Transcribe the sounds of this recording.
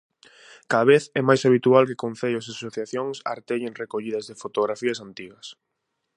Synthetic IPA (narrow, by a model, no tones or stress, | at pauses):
kaðaβeθɛmajsaβit̪ualkɪkõnθeʎʊsasoθjaθjoŋsa̰ɾt̪eʎeŋrekoʎiðɐzðefot̪oɣɾafiɐsant̪iɣɐs